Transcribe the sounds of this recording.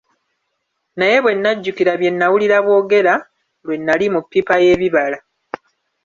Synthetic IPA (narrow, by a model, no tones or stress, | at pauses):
naje̞βwe̞nːaɟːukiɾaβje̞nːawuliɾaβwo̞ːɡe̞ɾa | lwe̞nːalimupːipaje̞βiβala